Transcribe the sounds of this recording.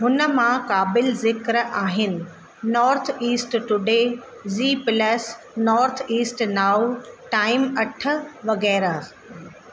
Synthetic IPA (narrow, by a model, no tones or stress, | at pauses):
ɦʊnə̆mãkaːbɪlzɪkɾaːɦɪnɪ̆ | nɔːɾt̪ʰiːsʈʈʊɖeː | ziːpləs | nɔːɾt̪ʰiːsʈnaːuʈaːɪmɐʈʰə̆ʋɐɣɛːɾaː